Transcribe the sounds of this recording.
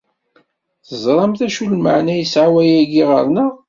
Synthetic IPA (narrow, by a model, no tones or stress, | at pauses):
θəzˤɾˤɑmθæʃulməʕnæjəsʕawæjæɡiʁə̰ɾˤnə